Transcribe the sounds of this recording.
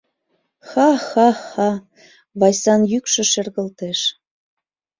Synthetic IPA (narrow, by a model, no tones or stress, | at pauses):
xɑxɑxɑ | βɑjsɑnjykʃɤ̆ʃĕrɣə̆lt̪eʃ